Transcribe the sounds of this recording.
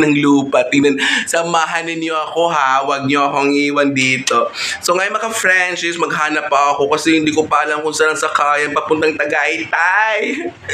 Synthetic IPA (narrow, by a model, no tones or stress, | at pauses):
nɐŋluːpɐt̪ɪŋnɐnsɐmaːɦɐnɪnɲoɐko̞ɦawɐɡ̚ɲoɐkoɐŋʔiːwɐnd̪iːt̪o̞soŋɐjonmɐkafɾant͡ʃɪsmɐɡɦaːnɐpːɐʔɐko̞kɐsɛhɪnd̪iːkopaːɐlɐŋkʊnsaːnɐŋsɐkaːjɐnpɐɡ̚pʊnt̪ɐŋt̪ɐɡaʔɪt̪aj